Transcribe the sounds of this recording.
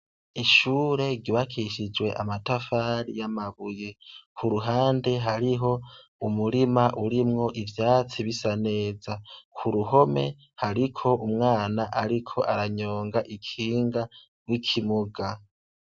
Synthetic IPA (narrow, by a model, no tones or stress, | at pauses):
iʃuːɾe̞ɡiβakʰiʃid͡ʒwe̞ʔa̰matafaɾijamaβuje̞kʰuɾuɦaːnde̞ɦaɾiɦo̞ | umuɾimaʔuɾimŋo̞ʔivjaːt͡siβisane̞ːzakʰuɾuɦo̞me̞ | haɾikʰo̞umŋaːnaʔaɾikʰo̞ʔaɾaɲo̞ːŋɡaʔikʰiːŋɡa | ɾwikʰimuɡa